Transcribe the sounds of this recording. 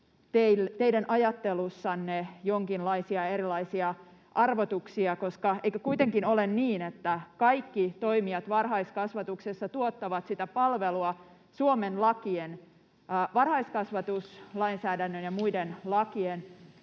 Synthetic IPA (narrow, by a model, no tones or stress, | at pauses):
t̪eilt̪eidænʔɑjɑt̪ːelusːɑnːejoŋkinlɑisiɑeɾilɑisiɑʔɑrʋot̪uksiɑkoskɑeikøkuit̪eŋkinolenniːnet̪ːækɑikːit̪o̞imiɑt̪ʋɑrhɑiskɑsʋɑt̪uksesːɑt̪uot̪ːɑʋɑt̪sit̪æpɑlʋeluɑ | suomenlɑkienː | ʋɑrhɑiskɑsʋɑt̪uslɑinsæːdænːønjɑmuidenlɑkien